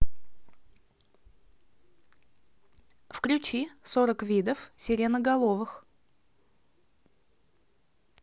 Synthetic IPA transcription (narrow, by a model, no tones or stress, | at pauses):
fklʲʉt͡ɕisoɾəkvʲid̪əfsʲɪɾʲenəɡɐlˠovɨx